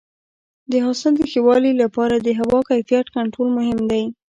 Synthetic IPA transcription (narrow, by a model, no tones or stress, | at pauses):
d̪əɦɑsɪld̪əxewɑlilapɑɾad̪əɦawɑkajfijat̪kaɳʈɾolmʊɦɪmd̪aj